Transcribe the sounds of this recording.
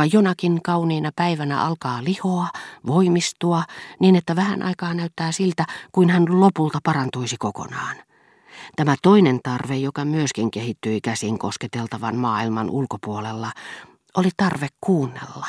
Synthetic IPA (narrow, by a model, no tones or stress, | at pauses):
ɑjonɑkiŋkɑuniːnɑpæiʋænæ̰ʔɑlkɑːlihoɑʋoimist̪uɑniːnet̪ːæʋæhæ̰nʔɑ̰ikɑːnæyt̪ːæːsilt̪ækuinhænlopult̪ɑpɑrɑnt̪uisikoko̰nɑːn | t̪æmæt̪oinent̪ɑrʋejokɑmyøskiŋkehit̪ːyikæsiŋkosket̪elt̪ɑʋɑnmɑːilmɑnʔulkopuolelːɑ | ʔolit̪ɑrʋekkuːnːḛlːɑ